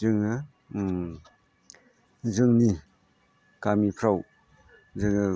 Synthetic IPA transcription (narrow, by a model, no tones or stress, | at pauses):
ɯŋɯ | zɯŋni | kamipʰɾaw | zɯŋɯ